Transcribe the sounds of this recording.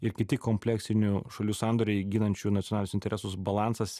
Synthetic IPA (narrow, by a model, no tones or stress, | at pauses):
ɪɾkʲɪt̪ʲɪkoːmʲpʲlʲɛksʲɪnʲuʃɐlʲuːsɑˑnd̪oɾʲɛɪɡʲɪnɐnʲt͡ʃʲunɐt̪ʲɪonɑːlʲnʲʊsɪnt̪ʲɛɾʲɛsʊsbɐlˠɑnsɐs